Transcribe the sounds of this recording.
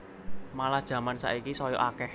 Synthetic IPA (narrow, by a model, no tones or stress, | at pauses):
malahd̥ʒ̥ä̤mansa̰ʔikisɔjɔ̰ʔakɛh